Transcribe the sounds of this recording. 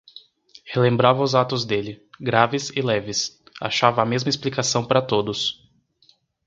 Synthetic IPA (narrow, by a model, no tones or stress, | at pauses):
helẽmbɾavɐʊzat̪ʊzd̪elɪɡɾavɪsɪlɛvɪsa̰ʃavɐːmezmɐesplikasɐ̃w̃paɾɐt̪od̪ʊs